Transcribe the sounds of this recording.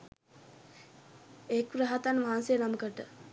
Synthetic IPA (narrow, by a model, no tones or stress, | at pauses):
ekuɾaɦat̪anʋaɦːnsejənaməkəʈə